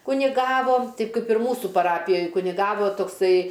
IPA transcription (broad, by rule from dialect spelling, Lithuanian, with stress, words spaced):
kʊnʲɪˈɡɑːʋoː ˈtʲɛɪp ˈkɐɪp ɪr ˈmuːsʊ pɐˈrɑːpʲɪjoːj kʊnʲɪˈɡɑːʋoː toːkˈsɐɪ